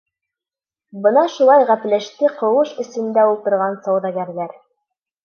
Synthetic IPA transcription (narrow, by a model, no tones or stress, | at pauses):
bɤnɑʃulˠɑjʁæplæʃt̪ɘqɤ̆wɤʃɵ̆sɵ̆nd̪æulˠt̪ɤ̆ɾʁɑnsɑwðɑɡæɾðæɾ